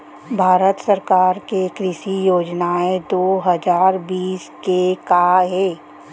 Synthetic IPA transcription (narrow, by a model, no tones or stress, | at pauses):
bʱaːɾət̪səɾkaːɾkekɾɪʃijoːd͡ʒnaed̪oːɦəzaːɾbiːskekaɦeː